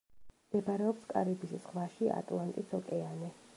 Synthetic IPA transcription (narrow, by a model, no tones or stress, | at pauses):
md̪̥ɛbaɾɛɔpskʼa̰ɾibissʁvaʃia̰t̪ʼlˠant̪ʼit̪sʰɔkʼɛanɛ